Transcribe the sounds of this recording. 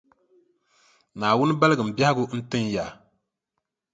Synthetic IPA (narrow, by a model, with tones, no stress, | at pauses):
naː˨wʊ˦nɨ˦ba˦lɨ˦ɡɨ˨m̩˨bja˦hɪ˦ɡʊ˦n̩˦tɨ˦nja˨